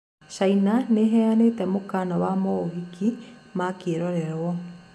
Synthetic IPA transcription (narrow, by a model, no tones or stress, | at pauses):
ʃainaneɦɛanetɛmokanɔwamɔoɣiki | makeɾɔɾɛɾwɔ